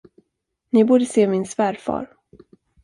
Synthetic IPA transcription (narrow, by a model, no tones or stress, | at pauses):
nɪbuːɖəseːmɪnsvæːɾfɑ̰ːɾ